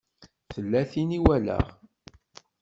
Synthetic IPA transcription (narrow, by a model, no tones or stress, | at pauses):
θəlːæθiniwælæ̰ʁ